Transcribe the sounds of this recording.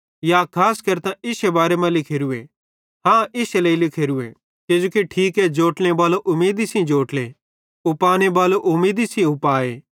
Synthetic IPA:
jakʰaːskɐɾt̪ãʔɪsebaːɾemãlɪkʰeːɾue | ɦãːʔɪseleilɪkʰeːɾuḛ | ked͡ʒoːkiʈʰiːkɛd͡ʒoːʈñebaːloʔʊmeːd̪isĩd͡ʒoːʈle | ʊpaːnebaːloʔʊmeːd̪isĩʊpaːeː

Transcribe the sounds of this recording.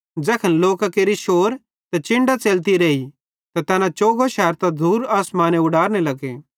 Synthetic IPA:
d͡ʒɛːkʰənloːkakeːɾiʃoːɾ | t̪ɛt͡ʃɪ̃ɳɖat͡seːlt̪̬iɾeːi | t̪at̪ɛːnãt͡ʃoːɡoʃɛːɾt̪ad̪ʱuːɾaːsmaːneʊɽaːɾnelɐɡeː

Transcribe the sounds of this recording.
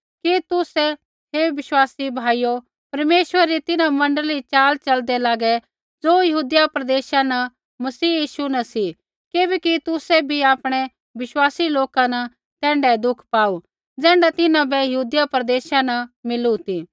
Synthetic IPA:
kit̪ʊsɛ | ɦeʋɪʃwaːsibʱaːijo | pɐɾmeːʃwəɾɾit̪ɪnãmɐ̃ɳɖəlit͡ʃaːlt͡ʃɐld̪ɛlaːɡɛ | d͡zoːjɐɦuːd̪ɪjapɾɐd̪eːʃanɐ | mɐsiːjiːʃunɐsi | keːbɛkit̪ʊsɛbʱiaːpɽ̃ɛ | ʋɪʃwaːsiloːkanɐ | t̪ɛ̃ːɳɖɛd̪ʊkʰpaːu | d͡zɛ̃ːɳɖat̪ɪnãbɛjɐɦuːd̪japɾɐd̪eːʃanɐmɪlut̪i

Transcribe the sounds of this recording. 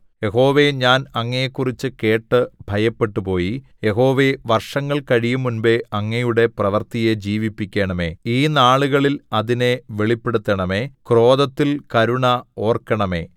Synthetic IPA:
je̞ɦo̞ːʋe̞ɲaːnɐŋːɐjekːurit͡ɕːɨke̞ːʈːɨbʱɐjɐpːe̞ʈːupo̞ːji | je̞ɦo̞ːʋe̞ʋɐrʂɐŋːɐɭkɐɻijumːunbeɐŋːɐjuɽe̞prɐʋɐrt̪ijed͡ʑiːʋipːikʲːeːɳɐme̞ːiːnaːɭuɣɐɭilɐðine̞ʋeɭipːeɽut̪ːɐɳɐme̞ːkro̞ːðɐt̪ːilkɐɾuɳɐo̞ːrkːɐɳɐme̞̰ː

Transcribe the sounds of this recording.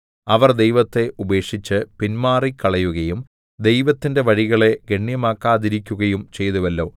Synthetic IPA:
ɐʋɐrd̪e̞jʋɐt̪ːe̞ʔube̞ːkʂit͡ɕːɨpinmaːrikːɐɭɐjuɣɐjum | d̪e̞jʋɐt̪ːinde̞ʋɐɻiɣɐɭe̞ɡeɳːjɐmaːkːaːd̪iɾikʲːuɣɐjumt͡ɕe̞jt̪uʋɐlːo̞ː

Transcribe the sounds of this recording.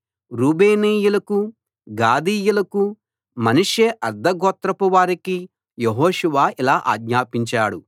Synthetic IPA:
ɾuːbeːniːjulɐku | ɡaːd̪iːjulɐku | mɐnuʂeːʔɐɾd̪ʱɐɡɔːt̪ɾɐpuʋaːɾiki | jeɦoːʃuʋaːilaːʔaːɡɲaːpiɲt͡ʃaːɽu

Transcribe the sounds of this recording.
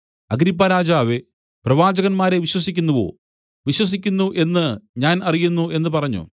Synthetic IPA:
ɐɡɾipːaɾaːd͡ʑaːʋe | prɐʋaːd͡ʑɐɣɐnmaːɾe̞ʋiɕwɐsikʲːunːɐʋo̰ː | ʋiɕwɐs̬ikʲːunːuʔe̞nːɨɲaːnɐrijunːue̞nːɨpɐrɐɲːṵ

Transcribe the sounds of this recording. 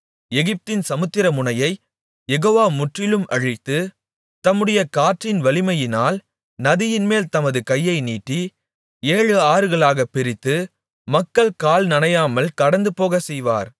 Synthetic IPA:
ɛɣɪp̚t̪ɪnsɐmɯt̪ːɪɾɐmʊnɐjɐɪ | jɛɣoːʋaːmʊʈrɪlɯmʔɐɻɪt̪ːɯ | t̪ɐmːɯɽɐjɐkaːʈrɪnʋɐɭɪmɐjɪnaːl | nɐðɪjɪnmeːlt̪ɐmɐðɯkɐjːɐɪniːʈːi | eːɻɯaːɾɯɣɐɭaːɣɐpːɪɾɪt̪ːɯ | mɐkːɐɭkaːlnɐnɐjaːmɐlkɐɽɐnd̪ɯpoːɣɐsɛjʋa̰ːɾ

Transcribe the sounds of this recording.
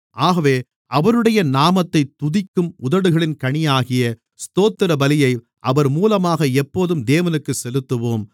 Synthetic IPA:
ʔaːɣɐʋeː | ʔɐʋɐɾɯɽɐjɐnaːmɐt̪ːɐɪt̪ʊðɪkːɯmʊðɐɽɯɣɐɭɪnkɐɳɪjaːɣɪjɐ | st̪oːt̪ːɪɾɐbɐlɪjɐɪ | ʔɐʋɐɾmuːlɐmaːɣɐɛpːoːðɯmd̪eːʋɐnɯkːɯsɛlɯt̪ːɯʋoːm

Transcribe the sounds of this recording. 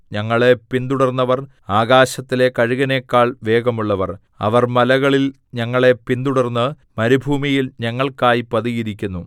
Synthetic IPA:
ɲɐŋːɐɭe̞pind̪uɽɐrnːɐʋɐr | aːɡaːɕɐt̪ːile̞kɐɻiɣɐne̞ːkːaːɭʋe̞ːɡɐmuɭːɐʋɐr | ɐ̰ʋɐrmɐlɐɣɐɭil | ɲɐŋːɐɭe̞pind̪uɽɐrnːɨ | mɐɾibʱuːmijilɲɐŋːɐɭkaːjipɐðiɣiɾikʲːunːu

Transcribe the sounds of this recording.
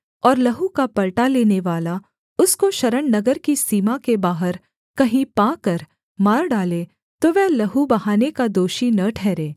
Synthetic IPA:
ɔːɾlɐɦukapɐɭʈaleːneʋaːla | ʊskoʃɐɾəɳnɐɡəɾkisiːmakebaːɦəɾ | kɐɦĩpãːkɐɾ | maːɾɖaːle | t̪oʋɛɦlɐɦubɐɦaːnekad̪oːʃinɐʈʰɛːɾẽː

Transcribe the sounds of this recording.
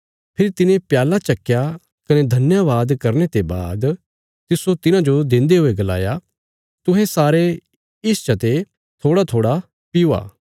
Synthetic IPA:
pʰɪɾit̪ɪnẽpjaːlat͡ʃɐkːja | kɐned̪ʱɐnjaʋaːd̪kɐɾnet̪eba̰ːd̪ | t̪ɪsot̪ɪnãd͡ʒod̪ɪ̃nd̪eɦʊeɡɐla̰ːja | t̪ʊɦẽsaːɾe | ɪst͡ʃɐt̪e | t̪ʰoːɽat̪ʰoːɽa | pɪua̰ː

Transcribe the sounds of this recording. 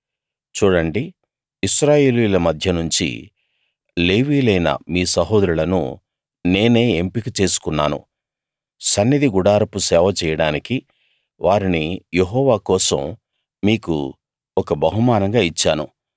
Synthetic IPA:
t͡ʃuːɽɐɳɖi | iʃɾaːje̞ːlijlɐmɐd̪ʱjɐnuɲt͡ʃḭ | le̞ːʋiːlɐjnɐ̰miːsɐɦoːd̪ɾulɐnṵ | ne̞ːne̞ːempikit͡ʃe̞ːsu̥kunːaːnṵ | sɐnːid̪iɡuɽaːɾɐpusɛːʋɐt͡ʃɛːjɐɽaːniki | ʋaːɾinijeɦɔːʋaːkɔːsɐ̰m | miːkṵ | ɔkɐbɐɦumaːnɐŋɡaːit͡ʃːaːnṵ

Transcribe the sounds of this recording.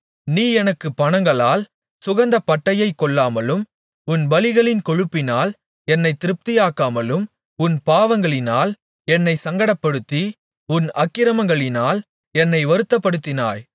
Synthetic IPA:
niːɛnɐkːɯpːɐɳɐŋɡɐɭaːl | sʊɣɐnd̪ɐpɐʈːɐjɐɪkːɔɭːaːmɐlɯm | ʊnbɐlɪɣɐɭɪnkɔɻɯpːɪnaːl | ɛnːɐɪt̪ːɪɾɯp̚t̪ɪjaːkːaːmɐlɯm | ʊnpaːʋɐŋɡɐɭɪnaːl | ɛnːɐɪsɐŋɡɐɽɐpːɐɽɯt̪ːi | ʊnɐkːɪɾɐmɐŋɡɐɭɪnaːl | ɛnːɐɪʋɐɾɯt̪ːɐpːɐɽɯt̪ːɪna̰ːj

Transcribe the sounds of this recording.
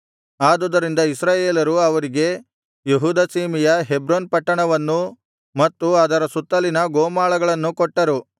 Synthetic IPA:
aːd̪oːd̪ɐɾind̪ɐisɾaːjeːlɐɾuɐʋɐɾiɡe̞ | jeɦuːd̪ɐsiːmijɐɦebɾoːnpɐʈːɐɳɐʋɐnːu | mɐt̪ːuaːd̪ɐɾɐsut̪ːɐlinɐɡoːmaːɭɐɡɐɭɐnːukɔʈːɐɾu

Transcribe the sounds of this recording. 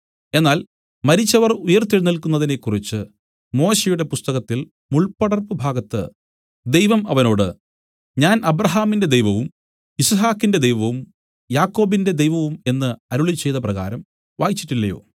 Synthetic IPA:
e̞nːaːl | mɐɾit͡ɕːɐʋɐrujɐrt̪ːiɻnilkunːɐðinekːurit͡ɕːɨ | mo̞ːɕejuɽe̞pust̪ɐɣɐt̪ːil | muɭpɐɽɐrpɨbʱaːɡɐt̪ːɨ̰ | d̪e̞jʋɐmɐʋɐno̞ːɽɨ | ɲaːnʔɐbɾɐɦaːminde̞d̪ejʋɐʋum | isɐɦaːkːinde̞d̪ejʋɐʋum | jaːkːo̞ːbinde̞d̪e̞jʋɐʋume̞nːɨɐɾuɭit͡ɕːe̞jt̪ɐprɐɣa̰ːɾɐm | ʋaːjit͡ɕːi̥ʈːilːɐjo̞̰ː

